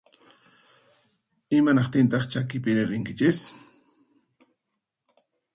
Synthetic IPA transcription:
ɪmanɑχt̪ɪnt̪ɑχt͡ʃakɪpɪnɪɾɪŋkɪt͡ʃɪs

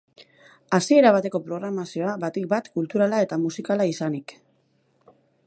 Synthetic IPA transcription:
asie̞ɾaβ̞at̪e̞ko̞pɾo̞ɣ̞ɾamasio̞aβat̪ik̚bat̪kult̪uɾalae̞t̪amusikalaisanik

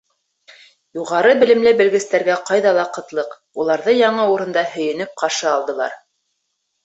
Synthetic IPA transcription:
juʁɑɾɤbɘ̆lɘ̆mlɘbɘ̆lɡɘ̆st̪æɾɡæqɑjðɑlˠɑqɤ̆t̪lˠɤq | ulˠɑɾðɤjɑɴɤuɾɤ̆nd̪ɑhɵ̆jɘ̆nɘp̚qɑʃɤɑlˠd̪ɤ̆lˠɑ̰ɾ

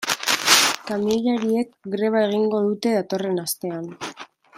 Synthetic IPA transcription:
kamiʎaɾie̞kɡɾe̞β̞ae̞ɣ̞iŋɡo̞ðut̪e̞ð̞at̪o̞re̞nast̪e̞an

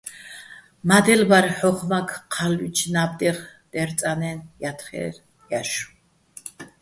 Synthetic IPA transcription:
mad̪ɛlvaɾħɔχmakʰqʰalwit͡ʃʰnab̚d̪ʼɛʁd̪̥ɛɾt͡s̪ʼanɛnjat̪ʰχɛ̰ɾ | jaʃu̥

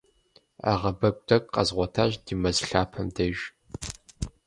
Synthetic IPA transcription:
a̰ʁɐbɐkʷʼtʰɐkʼqɐ̰zʁʷɔtʰaːʑd̥imɐzɬaːpʰɐmdɐʒ

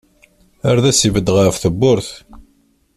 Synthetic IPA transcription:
æɾðæsivəd̪ʁəɾfθəbːʊɾθ

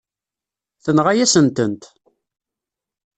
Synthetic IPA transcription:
θənʁajæsənt̪ənt̪

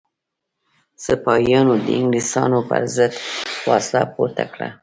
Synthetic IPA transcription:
səpɑjɑnod̪əɪŋɡlisɑnopə̰ɾzəd̪fɑslapoɾt̪akɽa

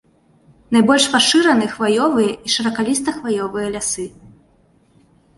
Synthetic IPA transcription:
najbɔlʲʂpaʂɨɾɐnɨxvajɔvɨjɐʔiʂɐɾɐkalʲist̪ɐxvajɔvɨjɐlʲasɨ

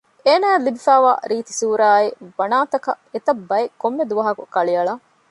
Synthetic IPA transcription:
eːnaːelːibifæːʋa̰ːɾiːt̪i̥suːɾaːibɐnaːt̪ɐkɐ | et̪ɐbːɐekomːed̪uʋɐɦɐkukɐɭiɐɭɐ

